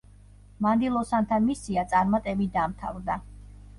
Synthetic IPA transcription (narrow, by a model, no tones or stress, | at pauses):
mand̪ilˠɔsant̪ʰamisiat̪sʼaɾmat̪ʼɛbid̪amt̪ʰavɾd̪a